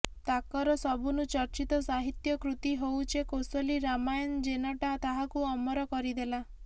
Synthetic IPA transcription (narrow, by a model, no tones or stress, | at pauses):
t̪akɔɾɔsɔbʱunut͡ʃɔɾt͡ʃit̪ɔsaɦit̪jɔkɾut̪iɦowt͡ʃʰekosɔliɾamajɔnd͡ʒenɔʈat̪aɦakuɔmɔɾɔkɔɾid̪ela